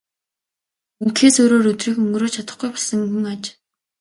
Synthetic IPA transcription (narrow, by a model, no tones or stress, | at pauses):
iŋkxeːsoːɾoːɾɵt̪riːxɵŋɡɾoːt͡ɕʰat̪ə̆χɡujpɔɮsə̆ŋuŋat͡ɕ